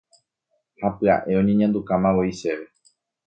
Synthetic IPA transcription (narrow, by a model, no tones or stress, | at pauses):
hapɨa̰ʔe̞õ̞ɲẽɲãnd̪ukamãwoiʃeʋe